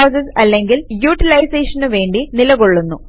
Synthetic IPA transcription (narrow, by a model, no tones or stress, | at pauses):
ɐːsɐsɐlːeŋɡiljuːʈːilɐjseːʂɐnɨʋe̞ːɳɖinilɐɣoɭːunːu